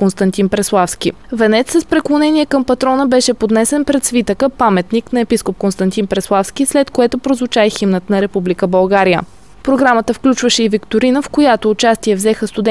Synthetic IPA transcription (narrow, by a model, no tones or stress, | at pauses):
konst̪ɐnt̪inpɾɛslˠafskʲi | vɛnɛt̪sːəspɾɛklˠonɛnʲiɛkəmpɐt̪ɾɔnəbɛʃɛpod̪nɛsɛnpɾɛt̪svit̪əkəpamɛt̪niknɐɛpiskop̚konst̪ɐnt̪inpɾɛslˠafsk̟islɛt̪koɛt̪opɾozvʊt͡ʃaɛximnət̪nɐɾɛpublikəbɐlˠɡaɾijə̰ | pɾoɡɾamət̪əfklʲut͡ʃvəʃɛivikt̪oɾinəfkojat̪oːt͡ʃast̪iɛvzɛxəst̪ʊd̪ɛ